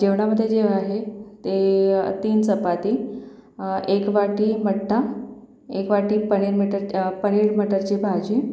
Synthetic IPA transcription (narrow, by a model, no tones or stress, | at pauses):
d͡ʑeʋɳaməd̪ʱːjed͡ʑeʋaɦet̪et̪iːnt͡səpat̪iː | ekʋaʈiːməʈʰːa | ekʋaʈiːpəɽ̃iːɾmiʈəɾpəɽ̃iːɽməʈəɾt͡ɕibʱad͡ʑiː